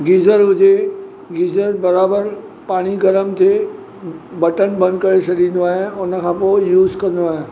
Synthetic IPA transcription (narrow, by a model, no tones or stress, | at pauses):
ɡiːzəɾɦʊd͡ʑe | ɡiːzəɾbɐɾaːbəɾ | paːɽ̃iɡɐləmt̪ʰe | bɐʈənbɐ̃nd̪kɐɾet͡ɕʰɐɗĩːn̆d̪oaːɦɪ̃ʊnə̆kʰãːpojuːzkɐ̃n̆d̪oaːɦẽ